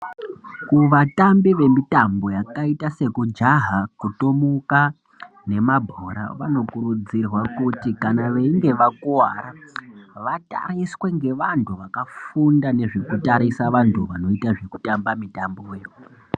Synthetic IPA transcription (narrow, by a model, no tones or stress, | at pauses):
kuʋatambiʋe̞mitambo̞jakaitase̞kud͡ʒaɦakutomuka | ne̞mabʱoɾa̰ʋano̞kuɾud͡zirwakutikanaʋe̞iŋɡe̞ʋakuwaɾaʋata̰riswe̞ŋɡe̞ʋantʰuʋakafundane̞ʐe̞kutaɾisaʋantʰuʋano̞itaʐe̞ku̥tambamitamboweːwu